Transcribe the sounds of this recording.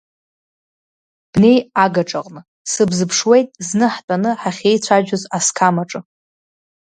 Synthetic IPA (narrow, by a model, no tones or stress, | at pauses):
b̥ne̞jaɡaʈ͡ʂʼaqʼnɨ | sɨbzɨpʰʂwe̞jtʼznɨħtʼanɨħaχʲe̞jt͡sʷʰaʒᶣʊzaskʰamaʈ͡ʂʼɨ